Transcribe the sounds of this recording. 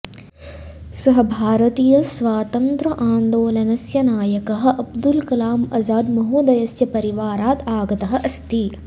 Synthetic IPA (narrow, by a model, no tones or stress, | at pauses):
sɐɦɐ̆bʱaːɾɐt̪iːjɐsʋaːt̪ɐnt̪ɾɐʔaːnd̪oːlɐnɐsjɐnaːjɐkɐɦɐ̆ʔɐb̚d̪ulkɐlaːmɐzaːd̪mɐɦuːd̪ɐjɐsjɐpɐɾiʋaːɾaːt̪aːɡɐt̪ɐɦɐ̆ʔɐst̪i